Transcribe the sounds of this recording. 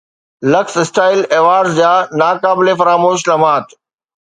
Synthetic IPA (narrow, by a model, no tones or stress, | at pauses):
lɐksɪsʈaːɪleːʋaːɾzd͡ʑaːnaːkaːbɪlefɐɾaːmoːʃ̬lɐmaːt̪